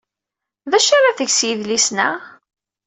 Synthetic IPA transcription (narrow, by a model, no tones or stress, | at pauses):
ðæʃaɾˤaθəʝsjiðlisnə̰